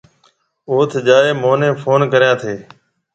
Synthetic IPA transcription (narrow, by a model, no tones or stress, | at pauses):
oːt̪ʰd͡ʒaːeːmoːnẽːpʰoːnkəɾjãːt̪ʰeː